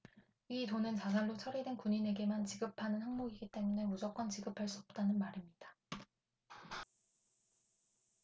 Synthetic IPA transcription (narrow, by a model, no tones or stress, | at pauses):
itonɯnt͡ɕas̬ʰanɾot͡ɕʰʌɾedwenkuɲine̞ɡe̞mant͡ɕiɡɯpʰanɯnhaŋmoɡiɡit͈e̞mune̞mud͡ʑʌk͈wʌnt͡ɕiɡɯpʰaɭs͈uʌp̚t͈anɯnmaɾimɲid̥ḁ